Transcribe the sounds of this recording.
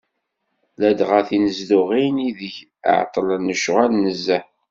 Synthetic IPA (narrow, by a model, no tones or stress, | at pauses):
læd̪ʁaθinəzd̪ʊʁiniðəʝ | ə̰ʕt̪ˤːələnːəʃʁælnəzːæ